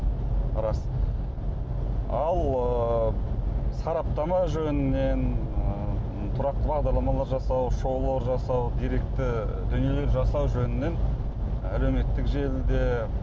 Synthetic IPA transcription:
ɾɑs | ɑlˠə | sɑɾɑp̚t̪ɑmɑʒɵnɪne̞n | t̪ʰʊɾɑq̚t̪əbɑʁd̪ɑɾlˠɑmɑlˠɑɾʒɑsɑwʃo̞lˠoɾʒɑsɑwd̪ijɾe̞k̚t̪ɪ | d̪ʏnije̞le̞ɾʒɑsɑwʒɵnɪne̞n | æle̞wme̞t̪ːɪkʒe̞ld̪e

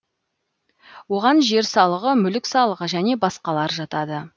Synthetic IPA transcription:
wo̞ʁɑnʒe̞ɾsɑlˠəʁəmʏlɪksɑlˠəʁəʒæne̞bɑsqɑlˠɑɾʒɑt̪ɑd̪ə

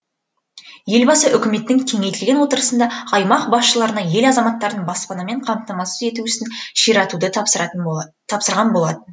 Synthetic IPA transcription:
je̞lbɑsəʔʏkʲɪme̞t̪ːɪŋt̪ʲʰeŋe̞jt̪ɪlɡʲe̞nwo̞t̪əɾəsənd̪ɑɑjmɑqbɑsʃəlˠɑɾənɑje̞lɑzɑmɑt̪ːɑɾd̪ənbɑspɑnɑme̞ɴqʰɑmt̪ɑmɑsə̥ze̞t̪uʏsɪnʃijɾɑt̪ud̪əɑə | t̪ʰɑpsəɾʁɑnbo̞lˠɑt̪ən

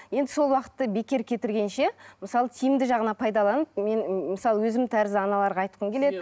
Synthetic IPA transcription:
je̞nd̪ɪso̞lˠwɑqə̥t̪ːɑbe̞kʲe̞ɾkʲʰe̞t̪ɪɾɡʲe̞nʃe̞məsɑlˠət̪ʰijɪmd̪ɪʒɑʁənɑpʰɑjd̪ɑlˠɑnəp̚me̞nmɪsɑlˠəwɵzɪmt̪ʰæɾɪzɪɑnɑlˠɑɾʁɑɑjt̪qəmkʲele̞d̪ɪ

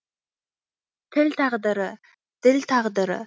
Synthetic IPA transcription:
t̪ʰɪlʲt̪ʰɑʁd̪ə̆ɾə | d̪̥ɪlʲt̪ʰɑʁd̪əɾə̰

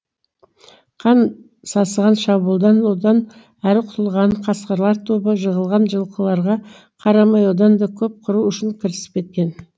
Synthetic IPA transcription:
qʰɑn | sɑsəʁɑnʃɑbulˠd̪ɑnwod̪ɑn | æɾɪqʰʊt̪ʰəlˠʁɑnqʰɑsqəɾlˠɑɾt̪ʰobəʒəʁəlˠʁɑnʒəlˠqəlˠɑɾʁɑ | qʰɑɾɑmɑjwod̪ɑnd̪ɑkʲʰɵp̚qʰʊɾuʏʃɪŋkʲʰɪɾsɪ̥p̚kʲe̞t̪̚kʲe̞n

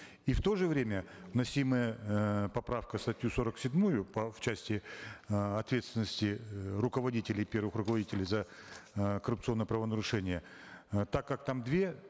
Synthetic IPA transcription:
ift̪o̞ʐɨvɾʲemʲəvnɐsʲiməjəpɐpɾafkəst̪ɐtʲjuso̞ɾəksʲɪdʲmujʊpɐft͡ɕæsʲtʲɪ | ɐt̪vʲe̞t̪st̪vʲɪnəsʲtʲɪrʊkəvɐdʲitʲɪlʲɪpʲe̞rvɨxrʊkəvɐdʲitʲɪlʲɪjzə | kəɾʊpt̪sɨo̞nːəjəpɾəvənəɾʊʂɛnʲɪjə | t̪akːak̚t̪amd̪vʲe̞

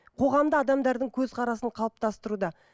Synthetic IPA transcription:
qʰo̞ʁɑmd̪əɑd̪ɑmd̪ɑɾd̪əɴkʲʰɵzqʰɑɾɑsəɴqʰɑlˠəp̚t̪ɑst̪əɾud̪ɑ

